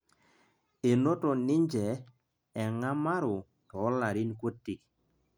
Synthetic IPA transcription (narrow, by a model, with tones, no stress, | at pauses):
e˨no˦tɔ˨nɪ˦ɲd͡ʒɛ˨ | ɛ˨ŋa˦ma˦ɾʊ˨ | tɔ˨˦la˨ɾi˦nkwo˦tːi˨k